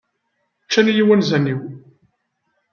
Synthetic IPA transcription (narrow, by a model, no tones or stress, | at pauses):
t͡ʃːænjiwænzænːiw